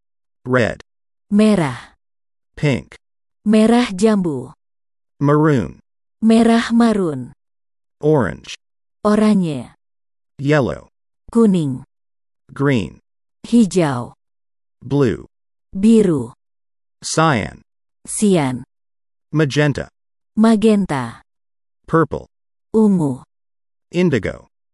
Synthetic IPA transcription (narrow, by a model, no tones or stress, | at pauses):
ɹɛ̰d̥ | mɛɾah | pʰɪ̰̃ŋk | mɛɾahd͡ʒambu | məɹṵ̃n | mɛɾahmaɾun | ɔɹɪ̰̃nd͡ʒ | oɾaɲɛ | jɛlo̰ʊ | kuniŋ | ɡɹḭ̃n | hid͡ʒaw | blṵ | biɾu | saɪə̰̃n | sian | məd͡ʒɛ̃ntʰə̰ | maɡɛnt̪a | pʰɜ˞plˠ | uŋu | ɪ̃ndɨɡo̰ʊ